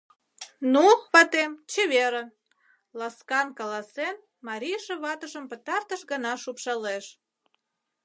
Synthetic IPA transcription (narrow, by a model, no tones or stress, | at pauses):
nuβɑt̪emt͡ɕeβeɾə̆ | lɑskɑnkɑlɑsen | mɑɾʲiʃĕβɑt̪əʃəmpət̪ɑrt̪əʃɣənɑʃupʃɑleʃ